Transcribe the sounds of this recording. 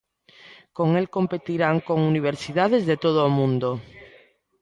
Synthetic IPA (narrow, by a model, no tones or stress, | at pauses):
koŋelkompet̪iɾaŋkoŋuniβ̞eɾsið̞að̞ezðet̪oð̞oːmũnd̪o